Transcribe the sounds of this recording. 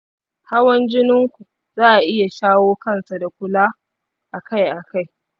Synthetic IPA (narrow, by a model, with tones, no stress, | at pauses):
ha˦wɐ˦nd͡ʒɪ˦nɪ˦ŋkʷu˨ | zaː˦ʔa˨ʔɪ˦ja˨ʃaː˦woː˦kɐ˦˨nsa˨da˨kʷʊ˦laː˦ | ʔa˨ka˦˨jʔa˨ka˦˨j